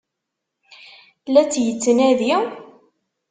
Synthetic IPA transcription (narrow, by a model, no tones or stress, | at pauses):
læt͡sːjət͡sːənæði